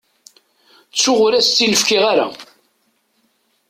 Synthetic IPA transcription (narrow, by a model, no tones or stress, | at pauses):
t͡sːʊʁʊɾæst͡s̪ːinəfkiʁaɾa̰